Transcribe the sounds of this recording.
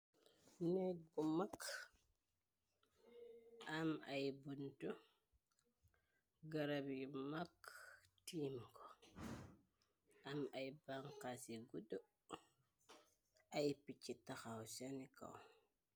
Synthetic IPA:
neɡumak | amajbuntu | ɡaɾabjumaktimko | amajbaŋkasiɡudu | ajpit͡ʃitaxawsenika̰w

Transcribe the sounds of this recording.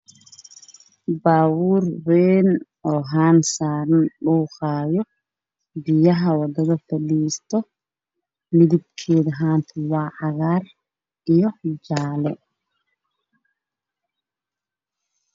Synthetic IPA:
baːwuːɾwɛːn | ɔːɦaːnsaːɾɐnɗuːxaːjɔ | bijɐɦɐwɐd̪ɐɣɐfɐɗiːst̪ɔ | mɪðib̚kʰeːðɐɦaːnt̪ʰɛwaːʔɑɣaːr | ijɔd͡ʒaːlɛ

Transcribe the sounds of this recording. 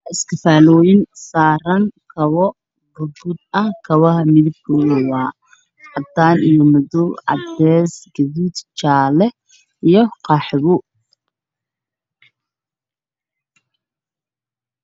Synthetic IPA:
ɪskʰɐfaːlɔːjɪnsaːrɐŋkʰɐβɔ | bʊbʊd̪̚ɐkʰɐβɐɦɐmɪðɪb̚kʰʊlɔwaː | ħɑd̪aːnijɔmɔðɔʕɑ̰d̪ɛːsɡɐðuːd̪t͡ʃaːlɛ | ijɔqɑħβʊ

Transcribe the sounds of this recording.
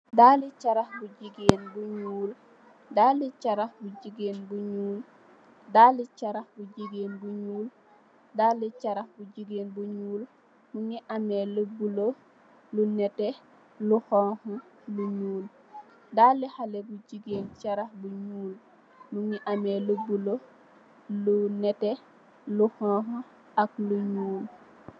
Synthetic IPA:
daːlit͡ʃaɾaxbuɟiɡeːnbuɲuːl | dalit͡ʃaɾaxbuɟiɡeːnbuɲuːl | dalit͡ʃaɾaxbuɟiɡeːnbuɲuːl | dalit͡ʃaɾahbuɟiɡeːnbuɲuːl | muŋiʔamelubulo | lunɛtɛ | luhɔːhɔluɲuːl | daːlihalebuɟiɡeːnt͡ʃaɾaxbuɲuːl | muŋiʔameːlubulo | lunɛte | luhɔho | akluɲuːl

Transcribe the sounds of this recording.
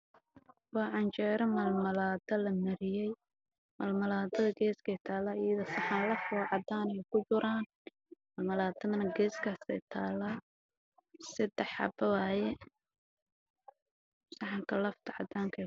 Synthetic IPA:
wɑːʕɑnt͡ʃɛːɾɐmɐlmɐlaːd̪ɐlɐmɐɾɪjɛj | mɐlmɐlaːd̪ɐðɐɡɛːskʰɛjt̪ʰaːlːaːɪjɐðɔsɑħɑlɐfwɑʕɑd̪aːnɛjkʰʊt͡ʃʊɾʔaːn | mɐlmɐlaːd̪ɐðɐnɐɡɛːskʰaːsɛ̰jt̪ʰa̰ːlːaː | sɐd̪ɛħɑ̰bɐwaːjɛ | sɑħɑŋkʰɐlɐft̪ʰɐʕɑ̰d̪aːŋkʰɛ

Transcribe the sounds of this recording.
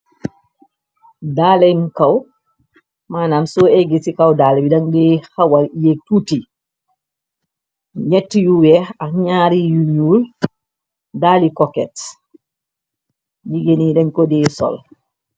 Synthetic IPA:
daːlɛnkaw | maːnaːmsɔɛɡisikawdaːlɛbidaŋdɛhawajetuti | ɲɛtːijuwɛakɲaːɾijuɲuːl | daːlikɔkɛt | d͡ʒiɡenidɛŋkɔdɛːsɔ̰l

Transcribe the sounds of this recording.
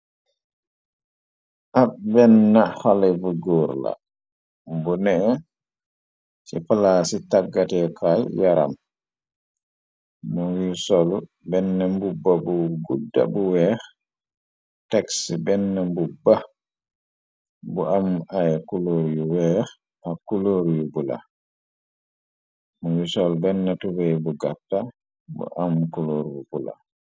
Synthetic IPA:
ʔabɛnːahalɛbuɡɔɾla̰ | mbunɛ | sipalasitaɡːatɛkʰajjaɾa̰m | mɔwisolu | bɛnːambubːabuɡudːa̰buwɛ | tɛksbɛnːɛmbubːa | buʔamajɛkuloɾjuwɛ | akuloɾjubula̰ | mɔwisɔlbɛnːatubɛjbuɡatːa | bṵʔamːkuloɾbubula̰

